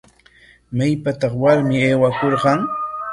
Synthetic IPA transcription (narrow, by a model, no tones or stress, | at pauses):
majpat̪ɑχwaɾmɪeːwakoɾɢɑŋ